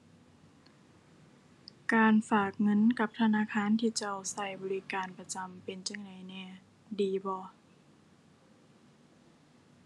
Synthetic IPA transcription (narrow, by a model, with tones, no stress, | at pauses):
kaː˨˧nfaː˨˩k̚ŋɤ˧˥˨nka˧˦p̚t̪ʰa˧naː˧˥˨kʰaː˧˥˨nt̪ʰiː˧˩t͡ɕa˧˩˨wsa˧˩jbɔː˨li˦˥kaː˨npa˧t͡ɕa˨mpe˨nt͡ɕa˧˥˨ŋda˨˩jnɛː˧˩ | diː˨bɔː˧˦